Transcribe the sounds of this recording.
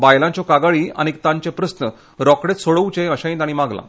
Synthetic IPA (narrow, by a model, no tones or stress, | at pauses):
bajlãɲt͡ɕɔkaɡaɭiːa̰ñik̚t̪ãɲt͡ɕepɾəsnə | ɾɔkɽet̪soɽəʋt͡ɕẽəɕãĩnt̪aɽ̃imaɡlã̰